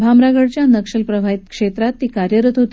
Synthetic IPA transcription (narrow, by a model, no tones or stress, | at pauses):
bʱamɾaɡəɽt͡ɕjanəkʂəlpɾəʋʱait̪kʂet̪ɾat̪ːiːkaɾjəɾət̪ɦot̪